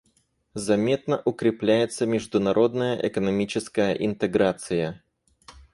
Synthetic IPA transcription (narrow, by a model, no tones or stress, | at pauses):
zɐmʲe̞t̪̚nəʔʊkɾʲɪplʲæjɪt̪səmʲɪʐd̪ʊnɐɾʔo̞d̪nəjəʔɛkənɐmʲit͡ɕɪskəjəʔɪnt̪ɨɡɾat̪sɨjə